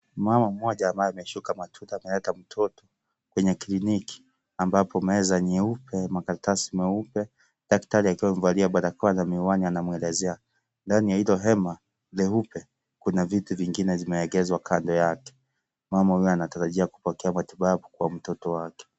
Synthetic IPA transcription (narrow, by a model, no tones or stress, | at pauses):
mamam̩mɔʄaːmbajɛamɛʃukamatʰuɾaːmɛlɛtam̩tʰɔtɔ | kwɛɲɛkiliniki̥ | ambapɔmɛzaɲɛupʰɛmakaɾatasimɛupɛ | ɗaktaɾiakiwaɱvaliaɓaɾakɔalamiuwanianamwɛlɛzɛa | ndanijahilɔɦɛma | lɛupɛ | kunavituviŋɡinɛvimɛɛɡɛzwakʰandɔjakɛ̥ | mamahujɛanataɾaʄiaku̥pɔkɛamatiɓaɓukuwam̩tɔtɔwakɛ̥